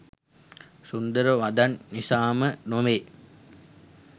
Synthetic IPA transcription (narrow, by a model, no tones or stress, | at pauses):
sund̪əɾəʋad̪anːisaːmənomeː